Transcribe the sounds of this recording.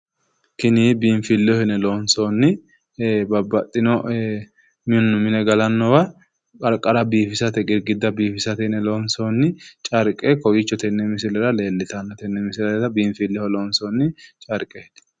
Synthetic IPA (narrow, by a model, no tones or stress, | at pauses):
kɪnibiːɱfɪlːɪɔhɪnɛloːnsoːnːɪ | bɐbːɐt̪ʼːɪnɔ | mɪnːʊmɪnɛɡɐlɐnːɔwɐ | kʼɐɾkʼːɐɾɐbiːfɪsɐt̪ɛɡʼɪɾɡɪd̪ːɐbiːfɪsɐt̪ɛnɛloːnsoːnːɪt͡ʃʼɐɾkʼɛkɔjɪt͡ʃːɔt̪ɛnːɛmɪsɪlɛɾɐle̞ːlːɪt̪ɐnːɔt̪ɛnːɛmɪsɪlɛɾt̪ɐbiːɱfɪlːɪɔɔloːnsoːnːɪt͡ʃʼɐɾkʼːɛhd̪̥